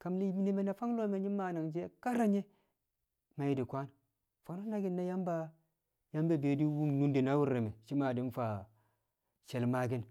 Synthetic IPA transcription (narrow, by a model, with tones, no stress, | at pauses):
ka˨mli˦ne˨me˨na˨fa˦ŋlo˦me˨ɲi˦ma˨na˨ŋd͡ʒe˦ka˦ɾa˦ɲe˦ | ma˨ji˦di˨kʷa˦n | fa˨no˦na˦ɡi˦nːa˦ja˦mba˦ | ja˦mbe˦beː˨di˦wu˦ŋnu˦ndi˨na˦wu˦ɾːe˨me˨ʃi˦ma˨di˦n˦fa˨ | ʃe˨lma˦ɡi˦n